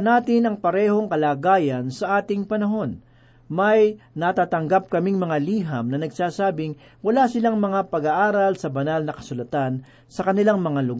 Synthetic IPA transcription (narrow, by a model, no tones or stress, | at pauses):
naːt̪ɪnɐŋpɐɾɛːho̞ŋkɐlaːɡaːjɐnsɐʔaːt̪ɪŋpɐnɐɦo̞n | mɐj | nɐt̪aːt̪ɐŋɡap̚kɐmiŋmɐŋaliːɦɐmnɐnɐɡsaːsaːbɪŋ | wɐlasɪlaŋmɐŋapɐɡaʔaːɾɐlsɐbɐnalnɐkɐ̥sʊlɐt̪an | sɐkɐnɪlaŋmɐŋalʊɡ